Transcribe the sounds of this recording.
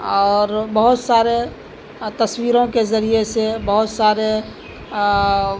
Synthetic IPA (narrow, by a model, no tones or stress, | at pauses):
ɔːɾbəɦʊt̪saːɾe | t̪əswiːɾõkezəɾiesebəɦʊt̪saːɾe